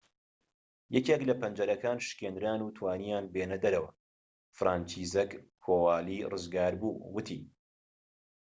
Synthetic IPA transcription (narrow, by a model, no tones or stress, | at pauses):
jɛceːklɐpɐnd͡ʒɐɾɐkaːnʃɨ̥kʲeːnɾaːnuːt̪ʰwaːnijaːnbeːnɐd̪ɐɾɐwɐ̰ | fɾʔaːnt͡ʃiːzɛkkʰoːwaːliːrɨzɡaːɾbuːwɨt̪ʰiː